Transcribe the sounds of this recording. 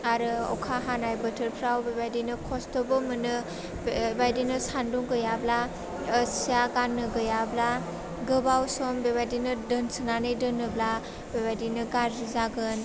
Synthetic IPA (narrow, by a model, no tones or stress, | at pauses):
aɾɯɔ̰wkʰaɦanajbɐtʰɯɾpʰɾawbebajdinɯkʰɔstɔbɯmɯnɯ | bbajdinɯsanduŋɡɯjablaː | sijaɡanːɯɡɯjabla | ɡɯbawsɔmbeβajdinɯdɯnsɯnanɯjdɯnːɯbla | bebajdinɯɡaɾːizaɡɯn